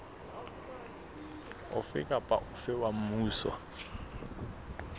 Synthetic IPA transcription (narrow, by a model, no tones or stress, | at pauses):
ʊ̰fɪ̰kʼapʼa̰ʔʊfɪwam̩muːsɔ̰